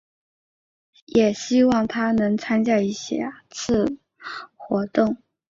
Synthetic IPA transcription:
jɛ˨˩ɕi˥wɑ˥˩ŋt̪ʰa˥nɤ˧˥ŋt͡sʰa˥nt͡ɕja˥˩i˥˩ɕjɛ̰˥t͡sʰɹ̩˥˩ | xwɔ˧˥t̪ʊ˥˩ŋ

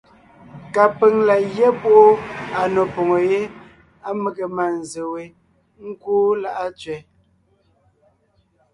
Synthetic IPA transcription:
ka˨pe˨ŋla˨jɛ˦po˦ʔo˦a˨nɔ˨pɔ˨ŋo˨je˦ | a˦me˨ɣe˨ma˨n̩˨ze˨we˨˦ | ŋ̩˦kuː˦la˦ʔa˦t͡ʃɥɛ˨

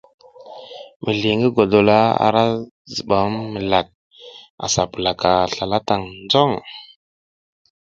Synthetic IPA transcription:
mə˨ɮi˨ŋɡə˦ɡo˨do˨la˦a̰˨ɾa˦ | zə˨ɓa˨˦mmə˨la˨k̚ | a̰˨sa˨pə˨la˨ka˨ɬa˨la˦ta˨ŋnd͡zo˦˨ŋ

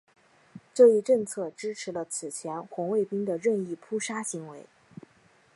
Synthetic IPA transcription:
ʈ͡ʂɤ˥˧i˥˧ʈ͡ʂɤ˥˧ŋt͡sʰɤ˥˩ʈ͡ʂɻ̩˥ʈ͡ʂʰɻ̩˧˥lə˧t͡sʰɹ̩˨˩t͡ɕʰjɛ˧˥nxwʊ˧˥ŋwe˥˩ɪpi˥ŋd̪ə˨ɻə˥˧ni˥˩pʰu˥ʂa˥ɕi˧˥ŋwe˧˥ɪ

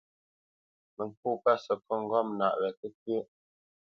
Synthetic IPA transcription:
mə˨ŋ˨ku˦˨pa˦sə˨kɔ˦˨ŋ̩˦˨ɡɔ˦mna̰˨ʔɣɛ˨kə˦k̚jə˦

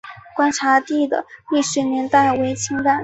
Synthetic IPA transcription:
kwa˥nʈ͡ʂʰa˧˥t̪i˥˩d̪ə̰˩li˥˩ʂɻ̩˧˥njɛ˧˥nt̪a˥˩ɪwe˧˥ɪt͡ɕʰi˧˥ŋt̪a˨˩˦n

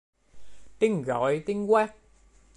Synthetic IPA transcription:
t̪i˧˩ŋɣɔ̰˨˦jt̪i˧ŋkwa˦˥k̚

